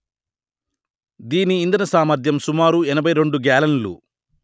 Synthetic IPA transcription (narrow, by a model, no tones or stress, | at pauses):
d̪iːniːnd̪ɐnɐsaːmɐɾd̪ʱjɐmsumaːɾuɛnɐbʱɐjɾe̞ɳɖuɡaːlɐnlṵ